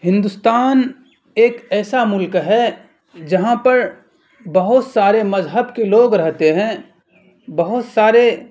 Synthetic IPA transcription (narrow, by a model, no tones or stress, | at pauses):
hɪ̃nd̪ʊst̪aːn | eːkɛːsamʊlkɦɛ | d͡ʒɐɦãpɐɾ | bɐɦʊt̪saːɾemɐzɦəbkeloːɡɾɐɦt̪eɦɛ̃ | bɐɦʊt̪saːɾe